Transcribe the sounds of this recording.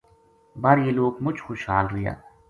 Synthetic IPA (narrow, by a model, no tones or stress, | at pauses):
baɾjeloːɡmʊd͡ʒʱxʊʃɦaːlɾɪja̰ː